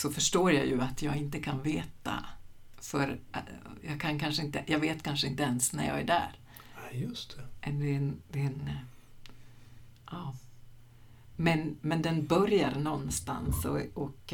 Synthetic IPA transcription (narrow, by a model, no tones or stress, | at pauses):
sɔfœʂʈoːɾjajɵat̪ʰjɑːɡɪnt̪̬əkʰanveːt̪a̰fœɾ | jɑːkʰankanʂəɪnt̪əjɑːveːt̪kʰanʂəɪnt̪əɛnsnæ̰ɾjɑ̰ːɡæ̰ɖæ̰ɾ | jɵst̪ʰɛmɛnd̪ɛd̪̥ɛn | ʔɑː | mɛnmɛnd̪ɛnbœɾjaɾnɔnːst̪a̰nsɔɔk